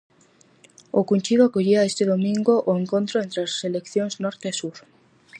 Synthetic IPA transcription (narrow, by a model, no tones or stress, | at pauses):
okunʲt͡ʃiðoakoʎiaest̪eðomĩŋɡoʔːeŋkõnt̪ɾoent̪ɾeaselekθjoŋznɔɾt̪esuɾ